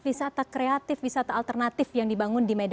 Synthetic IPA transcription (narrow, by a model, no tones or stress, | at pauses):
isat̪akɾeat̪ɪfisat̪aːlt̪ərnat̪ɪfjaŋdibaŋʊndimed